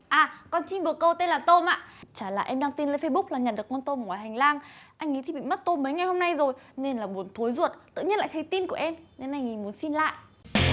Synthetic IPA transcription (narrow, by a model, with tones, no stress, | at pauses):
ʔaː˨˩kɔ˧nt͡ɕi˧ŋɓɨ˨˩əkːə˧wt̪e˧nlaː˨˩t̪o˧ma̰ː˧˨t͡ɕaː˧˩la̰ː˧˨ʔɛ˧mɗaː˧ŋt̪i˧nləː˨˦jfe˧ɓʊ˦˥k͡p̚laː˨˩ɲə˨˩nɗɨ˨˩əkɔ˧nt̪o˧mŋwaː˨˩jɦŋ̟laː˧ŋʔa˧jŋ̟ŋḭ˨˦t̪ʰi˨˩ɓḭ˧˨m˦˥t̚t̪o˧məː˨˦jŋa˨˩jho˧mna˧jzo˨˩jne˧nlaː˨˩ɓu˨˩ənt̪ʰo˨˦jzu˨˩ət̚t̪ɨ̰˧˨ɲi˧ənla̰ː˧˨jt̪ʰjt̪i˧nku˧˩əʔɛ˧mne˧nʔa˧jŋ̟ŋi˨˦mu˨˦ənsi˧nla̰ː˧˨jʔ